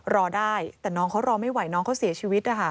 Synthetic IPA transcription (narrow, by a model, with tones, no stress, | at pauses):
ɾɔː˧daː˥˩jt̪ɛː˨˩nɔː˦˥ŋkʰa˦˥wɾɔː˧ma˥˩jwa˨˩˦jnɔː˦˥ŋkʰa˦˥wsi˨˩˦t͡ɕʰiː˧wi˦˥t̪̚ʔa˧˩kʰa˥˩